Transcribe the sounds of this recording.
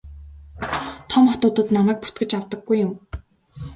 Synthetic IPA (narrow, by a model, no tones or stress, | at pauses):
t̪ʰɔmɔt̪ʊːt̪ə̆t̪namæːk̚pu̥r̥t̪̚ɡɘ̆t͡ɕawt̪ə̆ɡːujːʊm